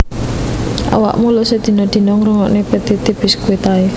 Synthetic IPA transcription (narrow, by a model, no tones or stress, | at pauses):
ʔa̰wa̰ʔmulɔsed̪̥i̤nɔd̪̥i̤nɔŋruŋɔ̰ʔnepet̪it̪ibɪskuet̪ae